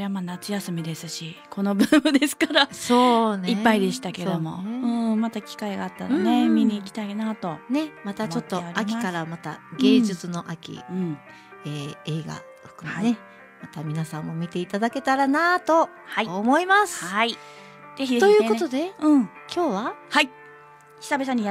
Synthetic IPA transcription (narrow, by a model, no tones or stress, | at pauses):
eamaːnat͡sɨjasɨmʲid̪e̞sɨɕikʰo̞no̞bɯbɯ̟d̪e̞sɨ̥kaɾasoːneipːaid̪e̞ɕi̥t̪ake̞d̪o̞mo̞̰ɯ̟̃ːmat̪akʲi̥kaiɡaːt̪ːanne̞mʲiɲ̟iːkʲi̥t̪ainat̪o̞ne̞mat̪amt͡ɕo̞t̪ːo̞eaɾakimʲimaskaɾamat̪a̰ɡe̞ːd͡ʑɨt͡sɨno̞ʔakʲḭɯ̟̃ɴ | eːeːɡa̰ | ɸɯ̥kɯ̟ne | mat̪amʲinasãmːo̞mʲit̪e̞it̪ad̪ake̞t̪aɾanat̪o̞ | haiːmo̞imasɨ̥ai | ze̞çid̪et̪ojɯ̟ːko̞t̪od̪e̞ɯ̟̃ɴ | kʲo̞ːβahai | çʲi̥sabe̞s̬ãɲ̟i